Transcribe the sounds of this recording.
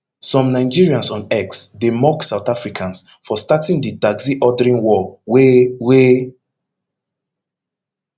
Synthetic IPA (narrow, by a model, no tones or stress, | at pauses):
sɔ̃mnaɪd͡ʒiɹiãnsɔ̃nɛksdemɔksawtafɹikʰãnsfɔstatĩŋdidaɡziʔɔdɹĩnwɔwewe